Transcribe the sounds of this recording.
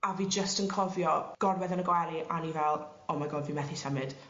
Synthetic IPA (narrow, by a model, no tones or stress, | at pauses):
aviːd͡ʒəstənkʰɔvjɔɡ̥ɔrwɛðənəɡwɛlˠiʔanivɛlˠ | ɔmaɡoːdviːmɛθisɛmɨd̥